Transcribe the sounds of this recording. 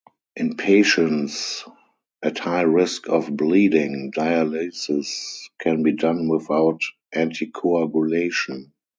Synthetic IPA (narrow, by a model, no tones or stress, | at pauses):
ʔɪ̃npʰeɪʃə̃ns | ʔæthaɪɹɪskʰɔfbliːdɪ̃ŋdaɪalisɪskʰɛ̃nbiːdãnwɪθaʊt | ʔæ̃ntʰikʰoaɡjuleɪʃɔ̃n